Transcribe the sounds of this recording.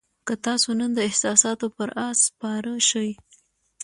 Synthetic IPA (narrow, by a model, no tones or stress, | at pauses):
kət̪ɑsonənd̪əɪhsɑsɑt̪opəɾʔɑspɑɾəʃəj